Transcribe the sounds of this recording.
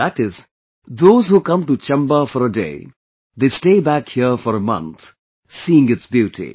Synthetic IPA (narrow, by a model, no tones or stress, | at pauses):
æʈɪz | d̪oːzhuːkʌ̃mʈut͡ʃɛ̃mbəfɔɾəɖḛː | d̪esʈeːbækhiəfɔɾəmʌ̰̃nt̪ | siɪ̃ŋɨtsbjuːʈḭ